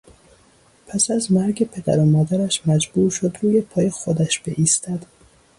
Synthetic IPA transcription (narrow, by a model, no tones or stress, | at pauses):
pʰæsæzmæɾɡepʰed̪æ̰ɾomɒːd̪æɾæʃmæd͡ʒbuːɾʃod̪ɾuːjepʰɒːjexod̪æʃbḛʔist̪æd̪